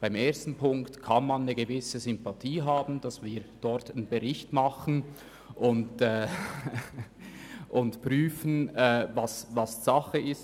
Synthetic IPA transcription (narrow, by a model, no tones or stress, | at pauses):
b̥aɪmeːɐstn̩pʰʊŋktkʰɑnmanːəɡəvɪsəzʏmpatʰiːɦaːbn̩d̥ɑsv̥iːɐd̥ɔɾtənbəʁɪçtmɑχən̩ | ʔʊndɛː | ʔʊntpʁyːfən̩ɛːvɑsvɑst͡saχəɪst